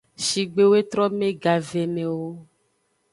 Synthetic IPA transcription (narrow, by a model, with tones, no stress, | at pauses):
ʃi˨ɡ͡be˦we˦t̪ɾɔ˦mẽ˦ɡa˨ve˨mẽ˨wo˦